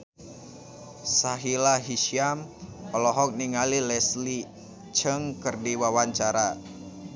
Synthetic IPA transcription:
saɦilaɦiʃiampəlɔɦɔk̚niŋalilɛsli | t͡ʃəŋkərdiwawaɲt͡ʃaɾa

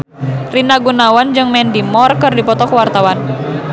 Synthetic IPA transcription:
rinaɡunawand͡ʒɨŋmɛndimɔrkɨrdipɔt̪ɔkəwart̪awan

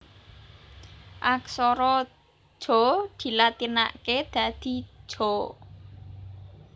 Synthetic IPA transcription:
ʔaksɔɾɔ̥ | ʒ̥ɔ̤d̪̥i̤lat̪ina̰ʔked̪̥ä̤d̪̥i̤̥ʒ̥ɔ̤

